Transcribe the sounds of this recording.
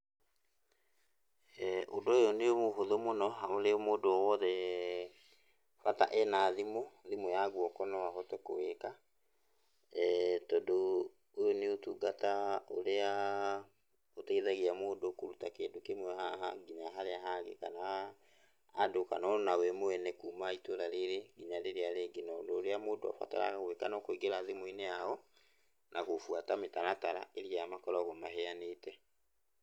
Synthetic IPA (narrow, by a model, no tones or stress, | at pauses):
ɛʔodoojoneomoɦoðomonɔɦaoɾemoːdoɔwɔðɛ | ɣata̰ʔɛnaðimoðimojaɣwɔkɔnɔwaɦɔtɛko̰weka | tɔdo | ojoneotuɡatao̰ɾea | oteiðaɣiamoːdokoɾutakeːndokemwɛhaɦaɡiɲaɦaɾeaɦaŋɡḛkanaː | dokanɔnawɛmoɛnɛkumaitoɾaɾeɾeɡiɲaɾeɾeaɾeɡenaodɔːɾeamoːdoa̰fa̰ta̰ɾa̰ɣaoweka̰nɔkweɡeɾaðemoineaɔ | nʔaɣofwatametaɾataɾa̰eɾiamakɔɾɔɣɔmaɦɛaneːtɛ